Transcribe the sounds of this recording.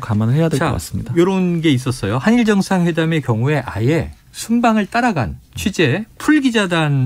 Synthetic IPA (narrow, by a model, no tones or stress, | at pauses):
kamanɯhejadea̰k͈a̰s͈ɯ̥mɲidajoɾʌunɡe̞is̬͈ʌs͈ʌjohaɲiɭd͡ʑʌŋsʰaŋɸwe̞dame̞kjʌŋue̞ʔa̰je̞ | sʰumbaŋɯɭt͈aɾaɡa̰nt͡ɕʰwed͡ʑe̞pʰuɭɡid͡ʑadan